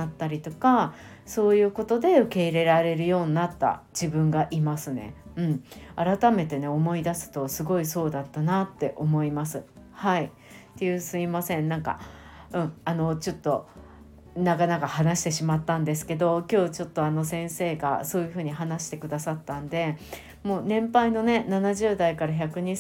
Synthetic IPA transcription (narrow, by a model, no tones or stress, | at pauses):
at̪ːaɾʲit̪o̞kaso̞ːjɯ̟ːko̞t̪o̞d̪e̞ɯ̟ke̞iɾe̞ɾaɾe̞ɾɯ̟jo̞ːɲ̟inat̪ːa̰d͡ʑibɯ̟̃ŋɡaʔimasɨne̞̰ɯ̟̃ɴaɾat̪ame̞t̪e̞ne̞omo̞id̪asɨ̥t̪o̞sɨɡo̞iso̞ːd̪at̪ːanat̪ːe̞ʔo̞mo̞imasɨhai | t̪ːe̞jɯ̟sɨimasẽ̞nnãŋka̰ | ɯ̟̃ɴano̞t͡ɕo̞t̪ːo̞ | nakanakahanaɕi̥t̪e̞ɕimat̪ːãnd̪e̞sɨ̥ke̞d̪o̞kʲo̞ːt͡ɕo̞t̪ːoano̞sẽ̞ɰ̃se̞ːɡa̰so̞ːjɯ̟ɸɯ̟ːɲ̟iɦanaɕi̥t̪e̞kɯ̟d̪asat̪ːãnd̪e̞ | mo̞ːnẽ̞mpaino̞ne̞nanaʑɨːd̪aikaɾaçakɯ̟ɲ̟i